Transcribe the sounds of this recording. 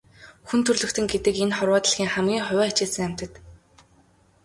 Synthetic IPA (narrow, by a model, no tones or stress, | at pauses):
xunt̪ʰɵrɮɵ̆kt̪ʰɘ̆ŋɡet̪ɘ̆kenχɔrwaːt̪ə̆ɮxʲiːŋχæmɡʲiːŋχʊwʲæːt͡ɕɪ̆ːɮsɘ̆ŋæm̥ʲt̪ə̆t̪